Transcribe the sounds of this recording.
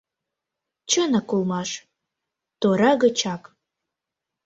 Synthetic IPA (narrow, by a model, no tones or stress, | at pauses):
t͡ɕənəkulˠmɑʃ | t̪oɾɑɣə̆t͡ɕɑk